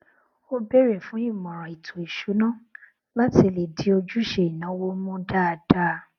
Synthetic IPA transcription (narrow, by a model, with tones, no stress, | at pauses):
o˦bɛ˦ɾɛ˨fũ˨˦i˦˨mɔ̃˨ɾ̃ã˨i˨tʰõ˨i˨ʃu˨˦nã˦˨ | la˦ti˦˧˨le˨di˨˦o˧d͡ʒu˦˨ʃe˨i˨nã˨˦wo˦mũ˦da˦˨d̥a˦˧